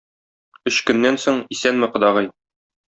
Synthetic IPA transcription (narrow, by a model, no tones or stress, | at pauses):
ɵɕkɵ̆nːænsoɴisænmɘ̆qɤ̆d̪ɑʁɤj